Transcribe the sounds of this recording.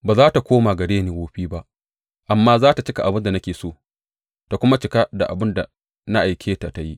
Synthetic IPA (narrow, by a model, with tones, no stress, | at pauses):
baː˨zaː˦ta˨kʷoː˦maː˨ɡɐ˨ɽeː˦neː˨woː˦ɸiː˦ba˦ʔ | ʔa˨mːaː˦zaː˦ta˨t͡ʃɪ˦ka˨ʔa˨bɪ˦nda˨nɐ˦kʲeː˨soː˦˨ | ta˨kʷʊ˦ma˦t͡ʃɪ˨˦ka˦da˨ʔa̰˨bɪ˦nda˨ | na˦ʔa˨jkʲʰeː˦ta˨ta˦ji˦ʔ